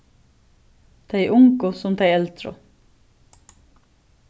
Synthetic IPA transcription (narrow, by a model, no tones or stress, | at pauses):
t̪ʰæɪʔʊŋkʊsɔmt̪ʰæɪɛlt̪ʰɾʊ̰